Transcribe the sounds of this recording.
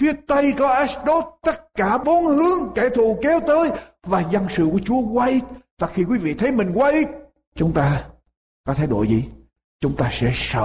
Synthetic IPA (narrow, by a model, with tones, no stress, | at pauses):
fi˨˦ət̪ə˧jkɔ˨˦ʔɛ˦˥sɗo˦˥t̚t̪ə˦˥t̚kaː˧˩ɓo˨˦nhɨ˨˦əŋka˧˩jt̪ʰu˧˨kɛ˨˦wt̪əː˨˦jvaː˨˩zə˧nsɨ̰˧˨ku˧˩ət͡ɕu˨˦əkwaː˧ʔi˦˥t̚t̪a˨˧˩xi˧kwi˨˦vḭ˧˨t̪ʰə˨˦jmï˨˩ŋ̟kwa˨˦ʔi˦˥ | t͡ɕʊ˨˦ŋ͡mt̪aː˧ | kɔ˨˦t̪ʰa˧˩jɗo̰˧˩˨jzḭ˨˩˨ | t͡ɕʊ˨˦ŋ͡mt̪aː˧sɛ̰˧˥sə̰ː˧˨